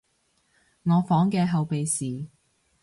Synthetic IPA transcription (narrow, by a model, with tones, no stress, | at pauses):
ŋɔː˨˧fɔː˨˥ŋkɛː˧ɦɐ˨˧wpe˨jsiː˨